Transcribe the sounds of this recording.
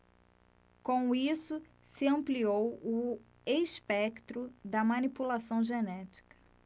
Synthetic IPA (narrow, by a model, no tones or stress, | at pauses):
kõw̃isʊ | sɪɐ̃mpliowʊ | espɛkt̪ɾʊd̪ɐmɐ̃nipulasɐ̃w̃ʒenɛt͡ʃi̥kɐ̥